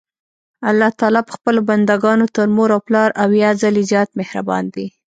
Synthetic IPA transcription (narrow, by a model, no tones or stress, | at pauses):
alːɑht̪ɑlɑpə̥xpəloband̪aɡɑnot̪əɾmoɾawplɑɾawjɑzalezjɑt̪mehɾa̰bɑ̰nd̪i